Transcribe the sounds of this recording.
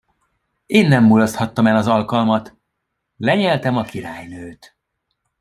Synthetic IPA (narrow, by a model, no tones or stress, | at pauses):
eːnːɛmːulost̪hɒt̪ːɒmɛlɒzɒlkɒlmɒt̪ | lɛɲɛlt̪ɛmɒkiɾaːjnøːt̪